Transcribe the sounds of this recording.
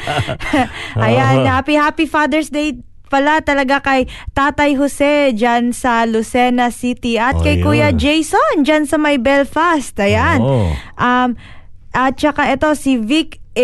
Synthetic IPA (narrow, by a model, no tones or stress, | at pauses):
ʔɐjanhaːpihaːpifaːd̪ɛɹsd̪ɛj | pɐlat̪ɐlɐɡakɐjt̪aːt̪ɐjɦosɛd͡ʒansɐlʊsɛnɐsit̪iʔɐt̪̚kɐjkuːjɐd͡ʒɛjsond͡ʒansɐmɐjbɛlfast̪ʔɐjanʔɐm | ʔɐt̪̚t͡ʃɐkaʔɛt̪o̞sivik